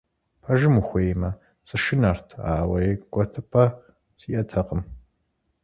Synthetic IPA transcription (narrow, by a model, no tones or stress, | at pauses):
pʰɐʒɨmuxʷeːmɐ | t͡sʼɨʃɪnartʰa̰ːwɐjɪɡʷɐtʰɨpʰʼɐ | ziːʔɐtʰɐqəm